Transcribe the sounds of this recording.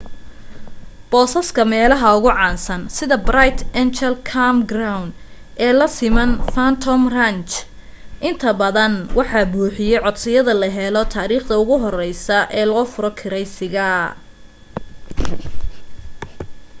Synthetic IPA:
b̥ɔːsɐskʰɐmɛːlɐɦɐʊɣʊʕɑːnsɐnsɪðɐbrajt̪ʰɛnt͡ʃɛlkʰamɡrawn | ʔɛːlɐsɪmɐnfant̪ʰɔmrant͡ʃ | ʔɪnt̪ʰɐbɐðɐnwʔɑħɑːbuːħɪjɛjʕɔd̪sɪjɐðɐlɐɦɛlɔt̪ʰaːɾiːχd̪ɐʊɣʊɦɔrɛjsɐʔɛːlɔːfʊɾɔkʰɪɾɛjsɪɣɐ

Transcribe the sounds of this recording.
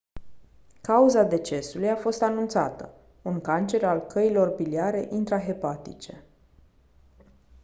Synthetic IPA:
kauzad̪e̞t͡ʃe̞sulujafo̞st̪anunt̪sa̰t̪ə | uŋkant͡ʃe̞ɾalkʰəilo̞rbiliaɾe̞ʔint̪ɾaɦe̞pat̪it͡ʃe̞

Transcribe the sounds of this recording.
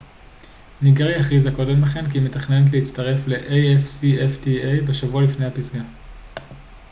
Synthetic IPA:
niɡʁejaχizako̞de̞mbeχenkimetaχne̞net̪̬leit͡staʁe̞fle̞ʔejefsieftiejbe̞ʃavualifne̞jhapizɡa

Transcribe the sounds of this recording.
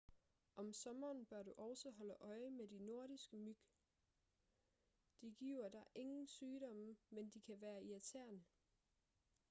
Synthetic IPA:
ʔɒ̽msɒ̽mɐːnb̥ɶɐɾ̥uʔɒʊsɒɦɒ̽ləʔɒ̽ɪəmedino̝ɐ̰ɾisɡ̥əmyɡ̥ | d̥iɡ̥ḭːʊ̰ɐd̥ɑ̈ʔe̝ŋn̩syːɾɒ̽məmend̥ikʰæʋæːɐiæt͡sʰæɐ̰n

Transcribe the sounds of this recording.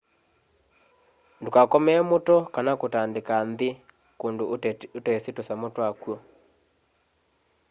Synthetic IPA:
ndokakɔmɛːmotɔkanakotandekanðe | kondootɛsetosamotwakwɔ

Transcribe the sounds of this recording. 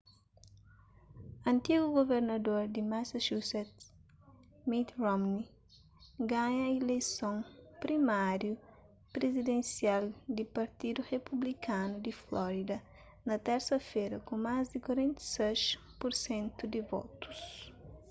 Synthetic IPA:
ɐ̃nt̪iɡuɡoveɾnɐd̪oɾd̪imasaʃusɛt̪ | mit̪rɔmni | ɡaɲɐilejsõŋpɾimaɾju | pɾezid̪ẽnsiald̪ipɐɾt̪id̪urepublikʰanud̪iflɔɾid̪ɐ | nɐt̪ɛɾsɐfeɾɐkũmazd̪ikwɐɾẽnt̪ɐ̥sɛʃ | puɾsẽnt̪ud̪ivɔ̰t̪u̥s

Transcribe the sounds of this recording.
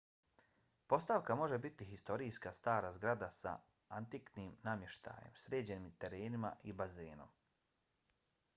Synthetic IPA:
po̞st̪aʋkamo̞ʒebit̪iɦist̪o̞ɾiːskast̪aːɾaːzɡɾad̪asa̰ | ant̪ikniːmnamje̞ʃt̪ʰa̰ːjḛmsɾeːd͡ʑenimt̪e̞ɾeːnima̰ibazeːno̞̰m

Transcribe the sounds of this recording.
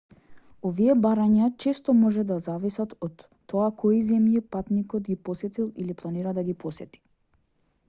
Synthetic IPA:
ɔviɛbaɾaɲat͡ʃɛst̪ɔmɔʒɛd̪azavisat̪ɔt̪ːɔakɔizɛmjipat̪nikɔt̪ɡipɔsɛt̪ilˠiliplˠaniɾad̪aɡipɔsɛt̪i̥

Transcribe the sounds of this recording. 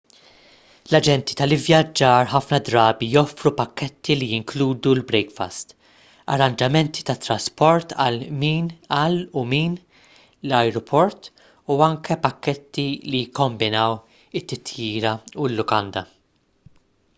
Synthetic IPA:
lɐd͡ʒɛnt̪i̥t̪ɐlɪvjɐd͡ʒːɐːɾħɐfnɐd̪ɾɐːbijɔfɾupɐkːɛt̪ʰːilijɪŋkluːd̪ulbɾɛkfɐ̰st̪ | ɐ̰ɾːɐnd͡ʒɐmɛnt̪i̥t̪ɐt̪ːɾɐspɔɾt̪ɐ̰lmiːnɐːlːumiːn | lɐjɾɔpʰɔɾt̪ | uɐŋkɛpɐkːɛt̪ːilijɪkːɔmbɪnɐw | ɪt̪ːɪt̪jiːɾɐulːʊkɐnd̪ɐ

